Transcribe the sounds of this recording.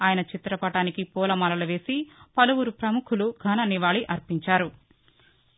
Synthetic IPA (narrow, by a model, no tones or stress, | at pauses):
aːjɐnɐt͡ʃit̪ɾɐpɐʈaːnikipɔːlɐmɐːlɐluʋe̞ːsipɐluwuɾupɾɐmukʰuluɡʱɐnɐniʋaːɭiʔɐɾpiɲt͡ʃaːɾu